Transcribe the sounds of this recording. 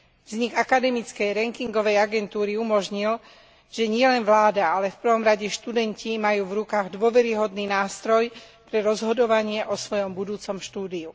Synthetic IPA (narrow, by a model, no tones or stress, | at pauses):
vzɲiɡakad̪ɛmit͡skɛjɾɛŋkiŋɡɔʋɛjaɡɛnt̪uːɾiumɔʒɲil | ʒ̥ɛɲɪɛlɛnʋlaːd̪aalɛfpr̩ʋɔmɾaɟɛʃt̪ud̪ɛncimajuːvɾukaːɣd̪ʊɔʋɛɾiɦɔd̪niːnaːst̪ɾɔj | pɾɛɾɔzɦɔd̪ɔʋaɲɪɛʔɔsʋɔjɔmbud̪uːt͡sɔmʃt̪uːd̪iu